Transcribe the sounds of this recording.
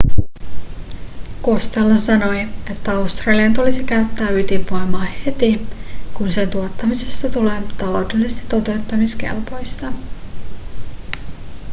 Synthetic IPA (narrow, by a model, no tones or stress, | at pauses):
kost̪elːɑsɑno̞je̞t̪ːæɑwst̪rɑliɑnt̪ulisikæɥt̪ːæːyt̪impojmɑːhe̞t̪ikunse̞nt̪uot̪ːɑmise̞st̪ɑt̪ule̞ːt̪ɑlo̞wde̞lisest̪it̪ːo̞t̪e̞wt̪ːɑmiske̞̰lpo̞jst̪ɑ